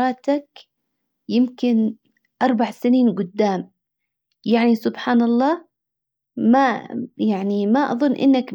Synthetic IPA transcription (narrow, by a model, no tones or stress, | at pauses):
ɑːt̪ak | jɪmkɪn | ʔɑɾˤbaʕsɪniːnɡʊd̪ːaːm | jaʕnisʊbħaːnɑlˤːɑː | majaʕnimaʔɑ̰ðˤʊnːʔɪ̰nːak